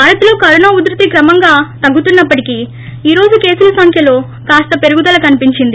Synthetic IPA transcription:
baːɾɐt̪ulo̞ːkɐɾunaːud̪ɾɐt̪ikɾɐmɐŋɡaːt̪ɐɡːut̪unːɐpːɐʈikiː | iːɾo̞ːd͡ʒuke̞ːsulɐsɐŋkʰjɐlo̞ː | kaːst̪ɐpe̞ɾuɡud̪ɐlɐkɐnipiɲt͡ʃind̪i

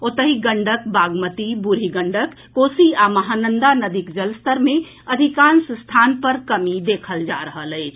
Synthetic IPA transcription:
ot̪əɦiɡəɳɖək̚baɡmət̪ibuɾ̤iɡəɳɖəkːosiaməɦanənd̪anəd̪ikd͡ʒəlst̪əɾme | əd̪ʱikansst̪ʰanpəɾkəmid̪ekʰəld͡ʒa̰ɾəɦələɪt͡ʃʰ

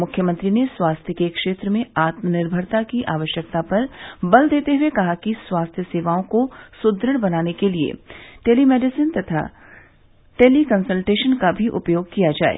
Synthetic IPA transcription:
mʊkʰjəmə̃nt̪ɾineswaːst̪ʰjəkekʃeːt̪ɾəmẽaːt̪mənɪɾbʱəɾt̪akiʔaːʋəʃjək̚t̪apɐɾbɐld̪eːt̪eɦuekɐɦakiswaːst̪ʰjəseːʋaːõkosʊd̪ɾəɽ̃bɐnaːnekeliḛʈeːlimɛːɖɪsɪnt̪ɐt̪ʰa̰ | ʈeːlikɐ̃nsəlʈeːʃənkabʱiʔʊ̰pjoːɡkijad͡ʒa̰ːḛː

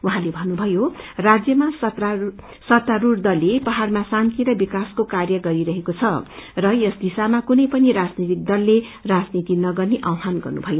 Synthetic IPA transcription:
uɦãlebʱʌnːubʱʌjorad͡zjʌmasʌt̪a | sʌt̪ːaɾurd̪ʌlːepʌɦarmasant̪ʰiɾʌbikaskokarjʌɡʌɾiɾʌɦekot͡sʰʌrʌjʌsd̪isamakunʌjpʌniɾad͡znit̪ik̚d̪ʌlːerad͡znit̪inʌɡʌrneʔawɦanɡʌ̰rnṵbʱʌjo

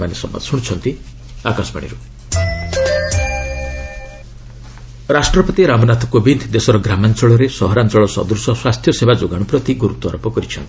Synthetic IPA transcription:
manesɔ̰mːa̰d̪suɽ̃t͡ʃʰɔnt̪i | akasɔba̰ɽ̃ḭɾu | ɾasʈɾɔpɔt̪iɾamɔnat̪ʰɔ̥kobind̪d̪esɔɾɔɡɾamant͡ʃɔɭɔɾesɔɦɔɾant͡ʃɔɭɔsɔ̰d̪usɔswast̪ʰjɔsebad͡ʒoɡaɽ̃upɾɔt̪iɡuɾut̪wɔɾɔpɔkɔɾit͡ʃʰɔnt̪i̥

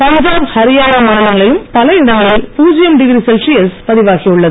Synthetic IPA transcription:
pɐɲd͡ʒaːmhɐɾɪjaːnɐmɐɳɪlɐŋɡɐɭɪlɯmpɐlɐɪɽɐŋɡɐɭɪlpuːd͡ʒɪjɐmɖɪɣɪɾisɛlsijɐlspɐðɪʋaːɣijɯɭːɐðɯ

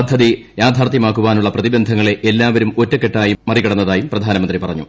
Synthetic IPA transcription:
ɐd̪ʱːɐðijaːd̪ʱaːrt̪jɐmaːkːuʋaːnuɭːɐprɐðibɐnd̪ʱɐŋːɐɭe̞ʔelːaːʋɐɾumo̞tːɐkːe̞ʈːaːjumːɐrikɐɽɐnːɐðaːjumprɐd̪ʱaːnɐmɐnd̪ripɐrɐɲːu

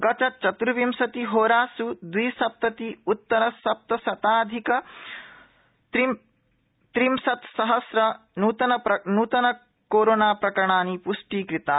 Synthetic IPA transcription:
ɡɐt͡ʃɐt͡ʃɐt̪ɾuʋimsɐt̪iɦoːɾaːsud̪ʋiːsɐp̚t̪ɐt̪iut̪ːɐɾɐsɐp̚t̪ɐsɐt̪aːd̪ʱikɐ | t̪ɾimsɐt̪sɐɦɐsɾɐ | nuːt̪ɐnɐɐnuːt̪ɐnɐ | koːɾoːnaːpɾɐkɐɾɐɳaːnipuʂʈiːkɾit̪aː

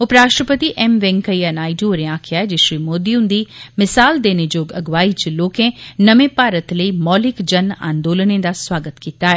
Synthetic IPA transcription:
ʊpɾaːʃʈɾəpət̪iʔɛmʋɛ̃ːŋkəianaːiʈooɾẽãːkʰɪjaːɦɛd͡ʒeʃɾiːmoːd̪iʊ̃nd̪imɪsaːld̪eːned͡ʒoːɡɐɡʋaːit͡ʃloːkẽnɐmẽpaːɾət̪ləimɔːlɪkd͡ʒɐnã̰ːnd̪oːlnẽd̪aswaːɡət̪kiːt̪aɦɛː

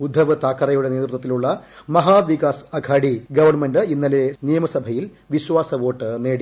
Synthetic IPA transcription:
ud̪ʱːɐʋɨt̪aːkːɐɾɐjuɽe̞ne̞ːt̪rut̪ːɐt̪ːiluɭːɐmɐɦaːʋikaːsɐɡʰʱaːɽiɡɐʋɐrnmendɨinːɐlenijɐmɐsɐbʱɐjil | ʋiɕʋaːsɐʋo̞ːʈːɨneːɽi

